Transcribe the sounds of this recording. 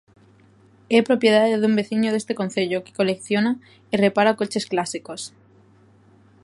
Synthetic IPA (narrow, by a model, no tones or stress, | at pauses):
epɾo̞pjeðaðeðumbe̞θiɲoð̞est̪ekon̟θe̞ʎoke̥ko̞lekθjona | irepaɾakot͡ʃe̞sklasikos